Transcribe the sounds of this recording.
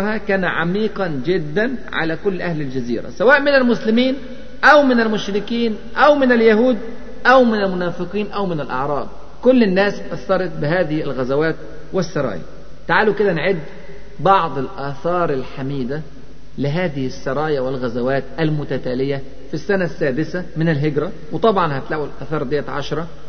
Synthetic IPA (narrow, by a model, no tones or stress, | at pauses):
hakæːnʕa̰miːqɑnd͡ʒɪd̪ːænʕa̰lækʊlːʔæhlɪld͡ʒazḭːɾæ̰sawaːʔmɪnalmʊslɪmiːn | ʔæwmɪnalmʊʃɾɪkiːn | ʔæwmɪnaljaɦuːd̪ | ʔæwmɪnalmʊnaːfɪqiːnʔæwmɪnɪlʔɑ̰ʕɾˤɑːb̪̚ˤ | kʊlːɪnːæːsʔæθːɑɾˤɑt̪̚ˤbɪɦæːðɪhlɣæzawaːt̪̚ | wɪsːɑɾˤɑ̰ːjæ̰ | t̪aʕaːlukɪd̪ænʕed̪ː | bɑʕd̪ˤɪlʔæːθɑːɾˤɪlħamiːd̪a | lɪɦæːðɪhɪsːɑɾˤɑːjawɪlɣæzæwæːt̪ʔælmʊt̪æt̪æːlɪjæ | fisːænæsːæːd̪ɪsæmɪnɪlɦɪɡɾæ | wet̪ˤɑbʕɑnhæt̪læːʔwɪlʔæθɑːɾˤd̪ɪjːæt̪ʕɑ̰ʃɑɾˤɑ